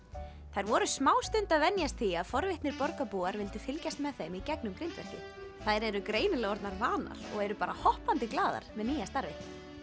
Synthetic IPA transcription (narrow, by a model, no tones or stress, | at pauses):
θajɾvɔɾʏsmaːwst̪ʏnt̪aðvɛnjast̪ʰiːaðfɔɾvɪht̪nɪɾpɔɾkapuːaɾvɪlt̪ɪfɪlcast̪mɛðθemicɛknʏmkɾɪnt̪vɛr̥cʏ̰ | θaðjɾɛɾʏkɾeːjnɪlɛɣɔɾt̪naɾvaːna̰ɾ̥ɔ̰ɣɛɾʏpaːɾahɔhpant̪ɪklaːða̰ɾ̥mɛðniːjast̪aɾvɪht̪n